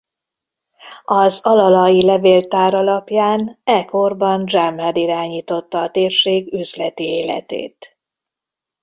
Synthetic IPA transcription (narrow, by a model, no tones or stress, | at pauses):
ɒzɒlɒlɒjilɛveːlt̪aːɾɒlɒpjaːnɛko̞rbɒnd͡ʒamɦɛd̪iɾaːɲiːt̪o̞t̪ːɒːt̪eːrʃeːɡyzlɛt̪ieːlɛ̰t̪ḛːt̪